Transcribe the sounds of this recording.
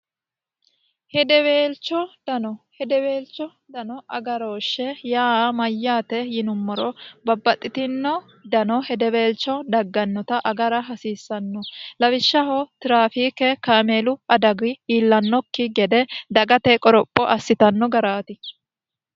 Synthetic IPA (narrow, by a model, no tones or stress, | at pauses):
hɛd̪ɛwe̞ːlt͡ʃːɔd̪̥ɐnɔhɛd̪ɛwe̞ːlt͡ʃːɔ | d̪ɐnɔʔɐ̰ɡɐɾoːʃːɛjaːmɐjːaːt̪ɛjɪnʊmːɔɾɔbɐbːɐt̪ʼːɪt̪ɪnːɔ | d̪ɐnɔhɛd̪ɛwe̞ːlt͡ʃːɔd̪ɐɡːɐnːɔt̪ɐʔɐɡɐɾɐɦɐsiːsːɐnːɔlɐwɪʃːɐhɔt̪ɪɾaːfiːkɛkameːlʊɐd̪ɐɡɪiːlːɐnːɔkːɪɡɛd̪ɛd̪ɐɡɐt̪ɛkʼɔɾɔpʼːɔʔɐsːɪt̪ɐnːɔɡɐɾaːt̪ɪ